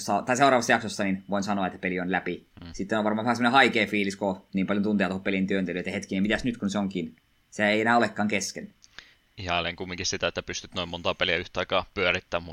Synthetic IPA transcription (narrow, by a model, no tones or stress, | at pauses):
sɑt̪ɑiseurɑːʋɑst̪ːɑjɑksosːɑninʋoinsɑnoɑet̪ːæpelionlæpisit̪ːenoʋɑrmɑːʋæhɑsemːonehɑikeːfiːliskoniːmpɑljont̪unt̪eɑt̪oopelint̪yønt̪eløet̪jæhet̪kinemit̪æsnyt̪kunseoŋkin | seæeˑienæːolekːɑːŋkesken | ihɑleŋkumːiŋkisit̪æet̪ːæpyst̪yt̪noimont̪ɑpeliæyht̪ɑˑikɑːpyørit̪ːæːmu